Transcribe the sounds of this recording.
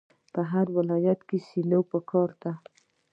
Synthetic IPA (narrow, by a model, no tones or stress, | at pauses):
pəɦaɾwɪlɑjat̪kesilopəkʰɑɾd̪a